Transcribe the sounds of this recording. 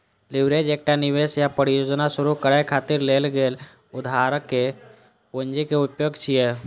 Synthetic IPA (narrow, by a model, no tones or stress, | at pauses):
liʋɾed͡ʒeːk̚ʈaniʋesjapəɾijod͡ʒnasuɾukəɾekʰat̪iɾlelɡel | ʊd̪ʱaɾəkːe | pond͡ʒikeupjoɡt͡ʃʰijɛ